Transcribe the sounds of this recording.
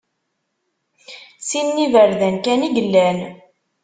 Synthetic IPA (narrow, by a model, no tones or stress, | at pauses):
sinːivəɾðænkæniʝəlːæn